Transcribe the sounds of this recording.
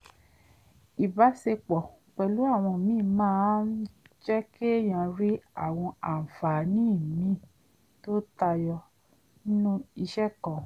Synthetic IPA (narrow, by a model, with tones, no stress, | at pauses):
i˨ba˨˦se˧k͡pɔ˨k͡pɛ˧˨lu˨˦a˦˨w̃ɔ̃˧˨mĩː˦mãː˦˨˦n̩˦d͡ʒɛ˦ke˦j̃ã˧ɾi˦a̰˦˨w̃ɔ̃˧a˨fa˨nĩ˦˨mĩ˦ | to˦ta˧jɔ˧ | ni˦nũ˦i˧ʃɛ˦˨kɔ̃˨